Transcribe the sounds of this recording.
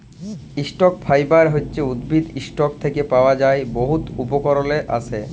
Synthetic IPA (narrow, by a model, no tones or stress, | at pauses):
iʃʈok̚fʰajbaɾɦotːɕeud̪bʱid̪iʃʈok̚t̪ʰekepaoad͡ʑaeboɦut̪upokɔɾoleʔa̰t͡ɕʰe